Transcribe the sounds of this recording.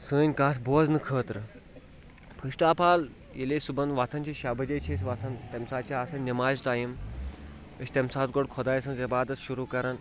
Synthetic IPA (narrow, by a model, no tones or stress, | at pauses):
səːnʲkaːs̬boːznɨkʰəːt̪ɾɨ | pʰəɕʈaːpʰaːl | jeleːsubɐnʋat̪ʰɐnʲt͡ʃʰiɕabɐd͡ʑet͡ʃʰeːs̬ʋat̪ʰɐnt̪emsaːt͡ɕaːsɐnnʲːɐmaːzʈaːjim | əɕʲt̪emsaːt̪ɡoɽkʰɔd̪aːjsɐnzibaːd̪ɐt̪ʃuɾuːkɐɾɐn